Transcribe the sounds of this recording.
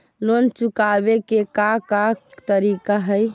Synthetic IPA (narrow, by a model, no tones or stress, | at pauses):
lont͡ʃukabekekakat̪əɾikaɦəj